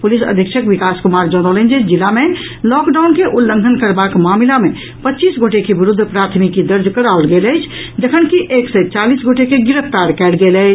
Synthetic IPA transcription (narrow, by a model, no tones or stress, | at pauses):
pulisə̰d̪ʱikʃʰəkʋikaskumaɾd͡ʒɔnələnd͡ʒed͡ʒilame | lɔkɖaʊnkeʔulːə̃ŋɡʱənkəɾbakmaːmlame | pətːt͡ʃiːsɡoʈekeʋiɾud̪ʱːpɾat̪ʰmikːid̪əɾd͡ʒkəɾaolɡeləjt͡ʃʰ | d͡ʒəkʰənkiʔeːksɛt͡ʃalisɡoʈekeɡiɾəpʰt̪aɾkɛlɡelət͡ʃʰ